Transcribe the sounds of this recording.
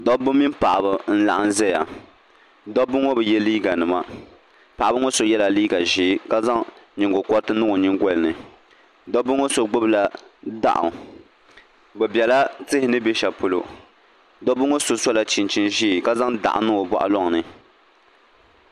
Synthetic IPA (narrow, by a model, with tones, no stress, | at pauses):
dɔ˦bʊ˦mːi˦npa˨ʔa˨bɨ˨n̩˦la̰˨ʔa˨n˦zɛ˦ja̰˨ | dɔ˦bʊ˦ŋo˦bɨ˨jɛ˦liː˦ɡa˨nɨ˨ma˨ | pa˨ʔa˨bɨ˦ŋo˦so˨jɛ˦la˨liː˦ɡa˨ʒi˦ka˦za˦ŋɲɪ˨ŋɡʊ˨kɔ˦ɾtɨ˦nɨ˦ŋo˨ɲɪ˦ŋɡɔ˦lɨ˨nɨ˨ | dɔ˦bʊ˦ŋo˦so˨ɡ͡bʊ˦bla˦da̰˦ʔʊ̰˨ŋ˨ | bɛ˨bɛ˨la˦tɨ˦hɪ˦nɨ˦be˦ʃa˨pʊ˨lo̰˨ | dɔ˦bʊ˦ŋo˦so˨sa˦la˨t͡ʃi˨nt͡ʃi˦nʒi˦˨ka˦za˦ŋda̰˨ʔa̰˨nɨ˦ŋo˨ba̰˦ʔa̰˦lɔ˦ŋ˨nɨ˨